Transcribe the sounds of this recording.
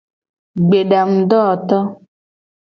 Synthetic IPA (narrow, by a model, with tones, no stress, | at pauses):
ɡ͡be˨ɖa˨m̩˨dɔ˦˨t̪ɔ˦